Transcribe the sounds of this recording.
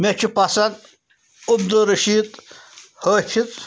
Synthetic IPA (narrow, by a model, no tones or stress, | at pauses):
met͡ʃʰupɐsɐnd̪ | ubd̪uɾɐʃiːd̪hoːt͡ʃʰit̪